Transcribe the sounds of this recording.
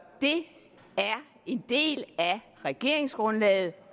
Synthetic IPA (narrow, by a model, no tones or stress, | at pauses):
d̥e̝ | æɐ | e̝nd̥e̝̰ːlæ | ʁɛɡ̥e̝ɐ̰eŋsɡ̥ʁɔ̽nlɛ̰ːð̞̩ˠ